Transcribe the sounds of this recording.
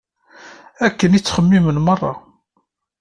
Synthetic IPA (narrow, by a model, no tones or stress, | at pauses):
ækːənit͡sːχəmːimənmərˤːɑ̰